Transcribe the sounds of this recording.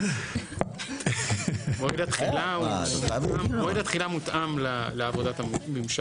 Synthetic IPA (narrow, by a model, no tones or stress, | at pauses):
moidat̪χila | amoidat̪χilamut̪ʔamlaleavod̪at̪amimʃa